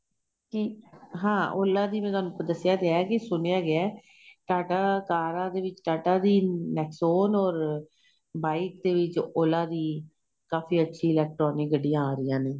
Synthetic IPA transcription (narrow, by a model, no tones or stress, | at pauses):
kɪɦãːʔoːlːãːd̪iːmɛ̃ːt̪ʊoaːnũːpəd̪əsːɪjaːd̪eɛːkɪsʊnejaːɡɪɛː | ʈaːʈaːkaːɾãːd̪eːʋɪt͡ʃʈaːʈaːd̪iːnɛːksoːnɔːɾ | baːik̚d̪eːʋɪt͡ʃoːlãːd̪iː | kaːfiːətːʃʰiːɪlɛːk̚ʈɾɔːnɪk̚ɡəɖːijãːaːɾɪjãːneː